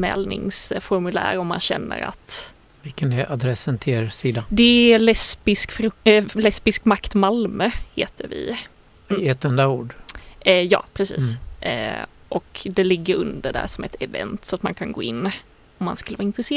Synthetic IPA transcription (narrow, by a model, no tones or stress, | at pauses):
mɛ̰ːlnɪŋsfɔɾmɵlæ̰ːɾɔmːa̰nɕɛnːə̰ɾa̰t̪ | vɪlkənɛɾʔad̪ɾɛsːənt̪ʰɪeɾsiːd̪ad̪ɛælɛspɪskfɾɵlɛspɪskmakt̪malmœheːt̪əɾvɪ̰ | ɛt̪ːɛnd̪auːɖ | jɑ̰ːpʰɾɛsḭːs | ʔɔkd̪ɛlɪɡːəɾɵnd̪əɖæ̰ʂɔmɛt̪ʰɛvɛ̰nt̪sɔat̪mankʰanɡoːɪnː | ɔmːanskɵləvɑːɪnt̪ɾɛseː